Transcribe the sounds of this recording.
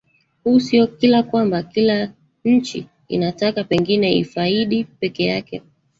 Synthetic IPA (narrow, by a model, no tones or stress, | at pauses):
huːsiɔkilakwambakila | ɲ̩t͡ʃḭ | ḭnatakapɛŋɡinɛḭfaiɗipɛkɛjakɛ̰